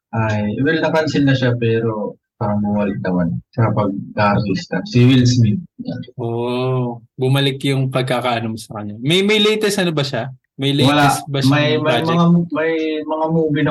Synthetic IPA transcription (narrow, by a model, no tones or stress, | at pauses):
ʔajɪwɪlnɐkɐnsɪlnɐʃapɛːɾo̞ | paːɾɐŋmɐwalɪnɐmansɐpɐɡ̚d̪abist̪asiwilsmit̪̚ɲaʔoʔ | bʊmɐlɪkjʊŋpɐɡ̚kakaʔɐnomsɐkɐɲːamɐjmɐjlɛjt̪ɛsʔɐnobɐʃa | mɐjlɛjwɐlaɛsbɐʃmaɐjmaːmd͡ʒɐŋamɐjmɐŋamuːbɪnɐ